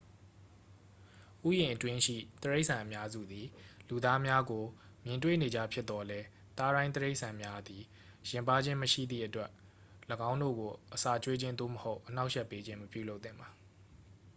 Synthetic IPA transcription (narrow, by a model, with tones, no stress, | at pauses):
ʔu˦˨jɪ̃˨ʔətwɪ̃˦ʃḭ˦˨t̪əɹe˦ɪʔsʰã˨ʔəmja˦zṵ˦˨d̪i˨lu˨d̪a˦mja˦ɡo˨ | mjɪ̃˨ntwḛ˦˨ne˨d͡ʑa̰˦˨pʰjɪ˦t̪t̪ːɔ˨lɛ˦ | t̪a˦ɾã˦ɪ̃nt̪əɹe˦ɪʔsʰã˨mja˦d̪i˨ | jɪ̃˨mpa˦d͡ʑɪ̃˦məʃḭ˦˨d̪ðḭ˦˨ʔətwɛ˦ʔ | ləɡã˦ʊ̃ndo̰˦˨ɡo˨ʔəsa˦˨t͡ɕwe˦d͡ʑɪ̃˦nd̪o̰˦˨məho˦ʊʔəna˦ʊʔʃɛ˦˨pːe˦d͡ʑɪ̃˦məpjṵ˦˨lo˦ʊt̪θɪ̃˦˨mba˨